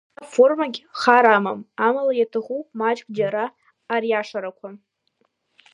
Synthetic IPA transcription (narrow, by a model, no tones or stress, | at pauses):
formaɡʲχaɾamamamalajatʰɨχumat͡ʃkʼd͡ʒaɾaː | rjaʂaɾakʷʰa